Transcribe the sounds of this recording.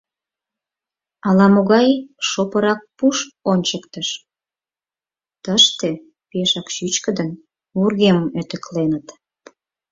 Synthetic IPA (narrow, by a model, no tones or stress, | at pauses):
ɑlɑmoɣɑjʃopəɾɑk̚puʃonʲt͡ɕəkt̪əʃ | t̪əʃt̪e | peʃɑkʃyt͡ɕkəd̪ən | urɣeməmøt̪ə̆klenət̪